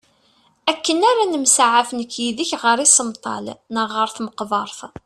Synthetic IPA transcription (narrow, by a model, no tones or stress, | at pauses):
ækːənaɾanəmsaʕafənəkːjiðiçʁəɾisəmt̪ˤɑ̰lnəʁəɾθməqvɑɾˤθ